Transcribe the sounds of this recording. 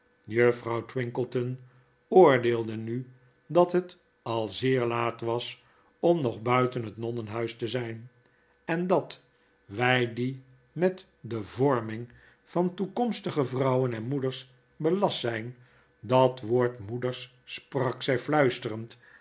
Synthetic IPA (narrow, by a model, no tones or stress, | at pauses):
jøfrɑwtwɪŋkəlˠtən | ʊːɹdeːlˠdəny | dɑtɦət | ɑlˠzɪːɹlaːtʋɑs | ɔmnɔχbœɥtənɦətnɔnənɦœɥstəzɛjn | ɛndɑt | ʋɛjdi | mɛt | dəvɔɹmɪŋ | v̥ɑntukɔmstəχəvrɑwənɛnmudəɹs | bəlɑsɛjn | dɑtʋoːɹtmudəɹsː | prɑksɛjflœɥstərənt